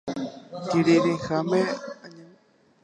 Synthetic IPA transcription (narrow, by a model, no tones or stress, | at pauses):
kiɾiɾixameaɲã